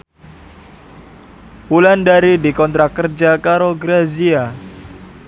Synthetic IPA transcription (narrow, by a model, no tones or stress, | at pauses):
pulandaɾidikɔnt̪ɾakərd͡ʒakaɾoɡɾazia